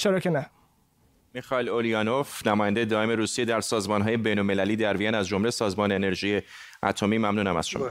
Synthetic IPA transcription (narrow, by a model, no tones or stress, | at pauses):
t͡ʃʰeɾɒːcʰenæ | mixɒelolijɒːnofnæmɒːjænd̪e̞jed̪ɒːe̞me̞ɾuːsijed̪æɾsɒːzmɒnɦɒːje̞be̞jnolme̞læliːd̪æɾvijænæzd͡ʒo̞mlesɒːzmɒːneːne̞ɾʒiːje | æ̰t̪ʰo̞miːmæmnuːnæmæ̰z̥ʃomɒ̰